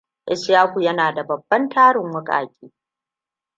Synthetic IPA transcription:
ʔɛ˦sjaː˦kʷu˨jɐ˦naː˨da˨bɐ˨bːɐ˦ntʰaː˦ɽɪ˨ŋwʊ˦kʼa̰ː˨kʲʼiː˦

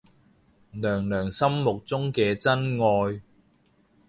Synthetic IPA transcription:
lœː˨˩ŋlœː˨˩ŋsɐ˥mːʊ˨k̚t͡sʊ˥ŋkɛː˧t͡sɐ˥nŋɔː˧j

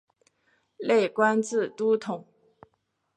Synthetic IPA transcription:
le˥˩ɪkwa˥nt͡sɹ̩˥˩t̪u˥t̪ʰʊ˨˩˦ŋ

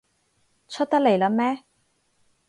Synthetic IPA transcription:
t͡sʰɵ˥t̚t̪ɐ˥k̚le˨˩jlɐ˨˥mɛː˥

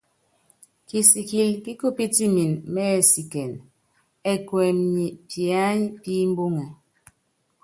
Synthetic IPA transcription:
ki˨si˨ki˨lki˦ko˦pi˦ti˦mi˨nmɛ˦˨si˨kɛ˨n | ɛ˦kwɛ˨mɲi˨pja˦ɲpi˦m˦bo˦ŋɛ˨

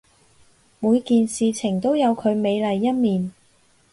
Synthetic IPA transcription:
muː˨˧jkiː˨nsiː˨t͡sʰɪ˨˩ŋt̪o˥wjɐ˨˧wkʰɵ˨˧ɥme˨˧jlɐ˨jːɐ˥t̚miː˨n

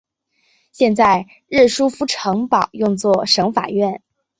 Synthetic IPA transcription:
ɕjɛ˥˧nt͡sa˥˩˧ɪ | ɻɻ̩˥˩ʂu˥fu˥ʈ͡ʂʰɤ˧˥ŋpɑ˨˩ʊjʊ˥˧ŋt͡swɔ˥˩ʂɤ˧˥ŋfa̰˨˩ɥɛ˥˩n

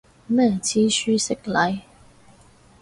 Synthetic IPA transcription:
nɛː˥˨˩t͡sʰiː˦˥syː˥sɪ˦k̚lɐ˨˥j

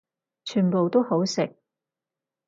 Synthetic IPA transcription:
t͡ʃʰyː˨˩npo˨wt̪o˥who˨˥wsɪ˨k̚

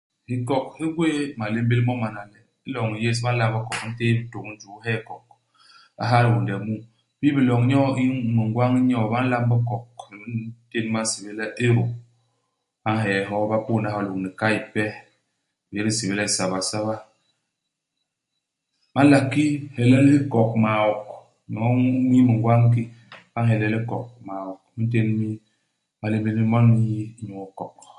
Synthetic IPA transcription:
hi˨kɔ˨khi˦ɡwe˦˨ma˨le˦m̩˦be˦lmɔ˦ma˨na˨lɛ˦ | i˦lɔ˨ŋi˨je˦s̬ba˦n̩˦la˦mbɔ˦kɔ˨kn̩˦te˦bi˦to˨kn̩˦d͡ʒu˨˦ɦɛ˦˨kɔ˨k̚ | a̰˦ɦa˦ɾi˨wu˨ndɛ˨mu˦ | bi˦bi˨lɔ˨ŋ˦ɲɔ˦i˦mi˨ŋ˨ɡwa˦ŋi˦ɲɔ˦˨ba˦n̩˦la˦mbɔ˦kɔ˨k̚bi˦n˦te˦n˦ma˦si˨be˦lɛ˦ʔe˦ɾo˨ | ba˦n˦ɦɛ˨ɦɔ˦ba˦pu˦˨na˦ɦɔ˨lo˨kni˨ka˦i˨pɛ˦˨ | je˦ki˦si˨βe˦lɛ˦˨sa˨βa˨sa˦βa˦ | ma˦n˦la˨kːi˦hɛ˨lɛ˦li˦kɔ˨k̚ma˨wɔ˨k̚ | mi˨ɔ˦mi˦mi˨ŋ˨ɡwa˦ŋk̬i˦ba˦nɦɛ˨lɛ˦li˦kɔ˨k̚ma˨wɔ˨k̚mi˦n˦t̬e˦n˦mi˦ | ma˦le˦be˦mi˦mɔ˦ni˦˨˦ɲu˨kɔ˨k

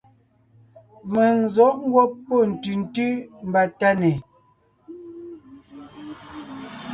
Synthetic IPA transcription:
mɛ˨n˨zɔ˨˦ʔŋ˦ɡwɔ˦pːo˦˨n̩˨tʉ˨n̩˦tʉ˦m̩˨ba˨ta˦ne˨

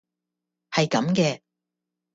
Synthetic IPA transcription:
hɐ˨jkɐ˨˥mkɛː˧

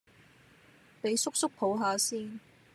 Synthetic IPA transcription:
pe˨˧jsʊ˥k̚sʊ˥k̚pʰo˨˧˥wɦaː˨˧siː˥n

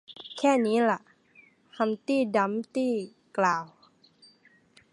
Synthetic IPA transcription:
kʰɛː˥˩niː˦˥la˨ʔ | ha˧˥mt̪iː˥˩da˧˥mt̪iː˥˩ | klaː˨˩w

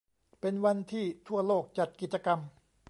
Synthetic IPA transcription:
pe˧nwa˧nt̪ʰiː˥˩t̪ʰu˥˩ɐloː˥˩k̚t͡ɕa˨˩t̪̚ki˨˩t̪̚t͡ɕa˧ka˧m

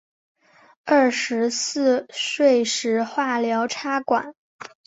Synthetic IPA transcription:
ə˥˩ʂɻ̩˧˥sɹ̩˥˧ʂwe˥˩ɪʂɻ̩˧˥xwa˥˩ljɑ˧˥ʊʈ͡ʂʰa˥kwa̰˨˩˦n

